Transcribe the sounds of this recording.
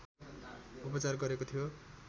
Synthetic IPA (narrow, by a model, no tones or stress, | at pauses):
upʌt͡sarɡʌɾekot̪ʰijo